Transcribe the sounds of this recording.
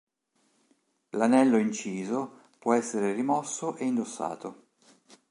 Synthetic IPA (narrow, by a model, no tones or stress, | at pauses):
lanɛlːoint͡ʃiːzo | pwɔɛsːeɾerimɔsːoʔeind̪osːa̰ːt̪o